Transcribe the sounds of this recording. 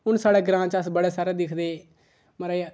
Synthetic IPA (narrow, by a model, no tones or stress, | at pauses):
ʊnsaːɽeːɡɾãːt͡ʃəsbəɽeːsaːɾɛːd̪ɪkʰd̪eː | məɾaː